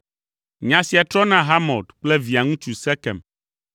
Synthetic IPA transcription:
ɲã˨si˨a˨t̪ɾɔ˦nã˦ɦa˦mɔ˨d̪k͡plɛ˦vi˨a˨ŋũ˦t͡ʃu˨sɛ˦kɛ̰̃˨m

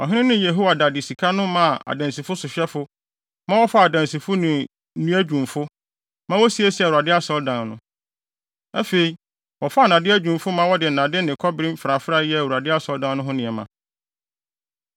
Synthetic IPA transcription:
ɔ˨ɦɪ̃˦ɪ̃˦nɪ̃˦je˨ɦo˦wa˨da˨dɪ˨si˨kʰa˦nʊ̃˦mã˦˨ʔa̰˨dã˨nsi˨fʊ˦sʊ˨ɕᶣɛ˦fʊ˦ | mã˦wɔ˦fa˦a˨dã˨nsi˨fʊ˦nɪ̃˨˦ | ũ˦æ˦d͡ʑᶣũ˨mfʊ˦ | mã˦wɔ˦si˦e˦si˦˨u˨a˨dɪ˦a˦sɔ˦ldã˨nnʊ̃˦ | æ˦fe˨i˨ | wɔ˨fa˦a˦˨nã˨dɪ˦æ˦d͡ʑᶣũ˨mfʊ˦mã˦wɔ˦dɪ˨nã˨dɪ˦nɪ̃˨kʰɔ˦bɾĩ˦m̩˦fɾa˨fɾa˦jɛ˦˨u˨a˨dɪ˦a˦sɔ˦ldã˦nː˦ʊ̃˦ɦʊ̃˦nɪ̃˨ɛ˨mã˨

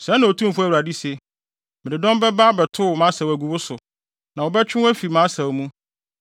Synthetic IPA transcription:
sɛ̃˨˦nã˨o˨tʰũ˦mfʊ˦æ˨wu˨ɾa˨di˦se˨ | mɪ̃˨ɪ˨dɔ̃˦mbɛ˦ba˦bɛ˨tʰʊ˦˨mã˨˦sa˨wæ˨ɡu˨bʊ˦sʊ˨ | nã˨wɔ˨bɛ˦t͡ɕᶣɪ̃˦wæ˦fi˨mãː˨˦sa˨wmũ˦

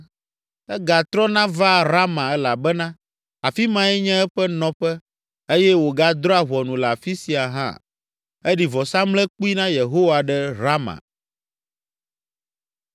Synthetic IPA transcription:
ɛ˦ɡa˨t̪ɾɔ˦nã˦va˦ɾa˦mã˨ɛ˦la˨bɛ˦nã˦ | a˨fi˦mã˦ɛ˦ɲɛ̃˦ɛ˦ɸɛ˦nɔ̃˦ɸɛ˦ | e˦jɛ˦wo˨ɡa˦d̪ɾɔ˦a˨ɦwɔ˨nũ˨la˨fi˦si˨a˨ɦã̰˦ | e˦ɖi˨vɔ˨sã˦mlɛ˦k͡pu˦i˦nã˦je˨ɦo˦wa˨ɖɛ˦ɾa˦mã̰˨

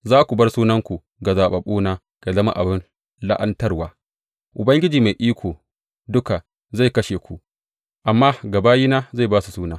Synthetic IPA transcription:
zaː˦kʷu˨bɐ˦rsuː˦nɐ˦ŋkʷu˨ | ɡa˨zaː˨ɓɐ˨ɓuː˦naː˦ | ka˨zɐ˦ma̰˦ʔa̰˨bɪ˦n | la̰˦ʔɐ˦ntɐ˦rwaː˦ | ʔʊ˨bɐ˦ŋɡʲɪ˦d͡ʒiː˨ma˨jʔiː˦kʷʰoː˨ | dʊ˦ka˨ | za˦˨kɐ˦ʃeː˨kʷu˨ | ʔa˨mːaː˦ɡɐ˨baː˦jiː˦naː˦za˦˨jbaː˦su˨suː˦naː˦

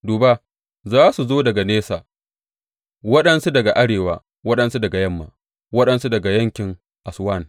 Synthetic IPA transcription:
duː˨ba˦ | zaː˦su˨zoː˦dɐ˨ɡa˨neː˦sa̰ː˨ | wɐ˦ɗɐ˦nsu˦dɐ˨ɡa˨ʔa˦ɽeː˨waː˦ | wɐ˦ɗɐ˦nsu˦dɐ˨ɡa˨jɐ˦mːa̰ː˦ | wɐ˦ɗɐ˨nsu˦dɐ˨ɡa˨jɐ˦ŋkʲɪ˨ŋ | ʔa˨swa˦˨n

